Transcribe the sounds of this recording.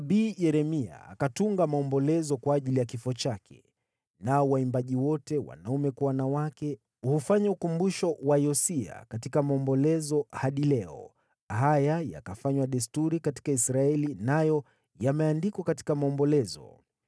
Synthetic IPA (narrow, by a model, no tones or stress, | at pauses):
ɓiːjɛɾɛmia̰a̰katuŋɡamaɔmbɔlɛzɔkwaːʄilijakifɔt͡ʃakʰɛ̥̰ | naɔwaimbaʄiwɔtɛwa̰naumɛkwawanawakɛ | hufaɲaukumbuʃɔwajɔsia̰katikamaɔmbɔlɛzɔhaɗilɛɔ | hajaja̰kafaɲwaɗɛstuɾikati̥kaisɾaɛlinajɔ | jamɛandikwakati̥kamaɔmbɔlɛzɔ̰